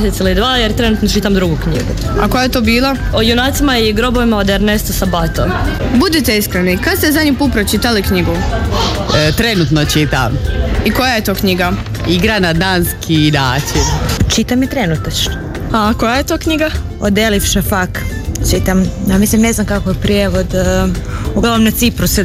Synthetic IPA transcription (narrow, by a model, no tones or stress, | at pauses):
sesilid̪ʋaːjeɾt̪ɾe̞nut̪not͡ʃit̪amd̪ɾuɡukɲḭɡṵakojajet̪obiːlˠaojunaːt̪simaiɡɾo̞bo̞ʋimaod̪eɾnest̪osabat̪o̰mbud̪it̪eiskɾenikad̪st̪ezad̪ʲɲipuːlt̪̚pɾot͡ʃit̪alikɲiɡu | t̪ɾenut̪not͡ʃit̪a̰mikojajet̪o̞ːkɲiɡa | iɡɾanad̪anskʰid̪aːt͡ʃit͡ʃit̪amet̪ɾenut̪at͡ʃno | ako̞jaje̞t̪oːkɲiɡa | od̪elifʃefakt͡ʃit̪amjaːmislimne̞znamkakojepɾijeʋo̞d̪ | uɡlaʋomnat̪sipɾus